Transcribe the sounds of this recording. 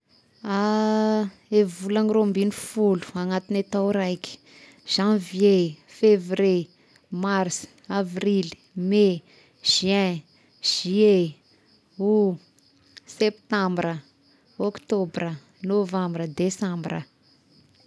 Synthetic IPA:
a | evulaniɾombinifulu̥aŋat̪inet̪awɾajkʲi̥ | ʒ̥ãvjefevre | marsavril | me | ʒ̥ɛ̃ | ʒ̥ie | u | sept̪ãmbrə | okt̪obrə | novãmbrəd̪esãmbrə̰

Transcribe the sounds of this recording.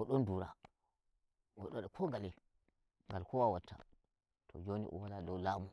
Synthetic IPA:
ɔɗɔnduɾa | ɔɗɔɗɔkʰɔŋɡalɛ | ŋɡalkʰɔwawatʰːa̰ | tʰɔ̰d͡ʒonḭʔɔ̰waladɔwlamu

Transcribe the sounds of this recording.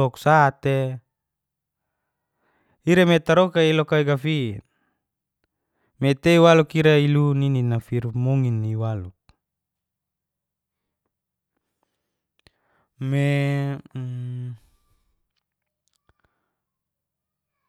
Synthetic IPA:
ɔksat̪e | iɾemet̪aɾokailokaiɡafin | met̪eiwalukiɾailunininafirmoŋinːiwaluk̚ | me

